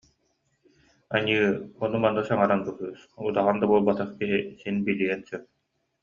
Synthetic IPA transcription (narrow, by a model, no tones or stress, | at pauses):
a̰ɲɯːɔnumanːɯsaŋaɾand̪uɦɯːsud̪aʁand̪abuɔlˠbat̪aχkiɦisinbilijɛnsœ